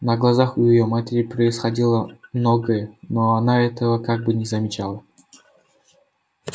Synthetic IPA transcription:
nəɡlˠɐzaxʊjɪjomatʲɪɾʲɪpɾəɪsxɐdʲilˠəmnoɡəjənoanaɛt̪əvəkaɡ̚bɨnʲɪzəmʲɪt͡ɕalˠə

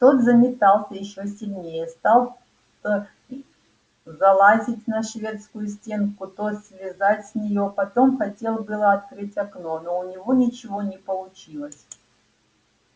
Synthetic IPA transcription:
t̪o̞t̪zəmʲɪt̪ɑlˠsʲəjɪɕːo̞sʲɪlʲnʲejəst̪ɑlˠ | t̪ə | zɐlˠazʲɪtʲnəʂvʲe̞t̪skʊjʊs̬ʲtʲe̞nkʊt̪o̞t̪sʲvʲɪzatʲsʲnʲɪjo̞pɐt̪o̞mxɐtʲe̞lˠbɨlˠəɐt̪̚kɾɨtʲɐkno̞no̞ʊnʲɪvo̞nʲɪt͡ɕɪvo̞nʲɪpəlˠʊt͡ɕilˠəsʲ

